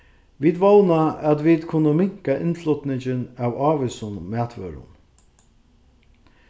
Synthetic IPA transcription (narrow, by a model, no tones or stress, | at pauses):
ʋiːd̪ʋɔlnaæt̪ʋid̪kʰʊnːəmɪŋ̥kaʔɪnflʊt̪nɪɲt͡ʃɪnæwɑːʋɪsʊnmæːt̪ʰʋœ̰ɾʊ̰n